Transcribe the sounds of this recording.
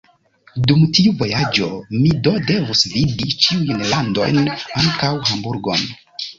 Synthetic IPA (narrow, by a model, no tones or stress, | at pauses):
dumtiuvo̞jad͡ʒo̞mido̞de̞vusvidit͡ʃiujnlando̞̰jnaŋkawɦambuɾɡo̞̰n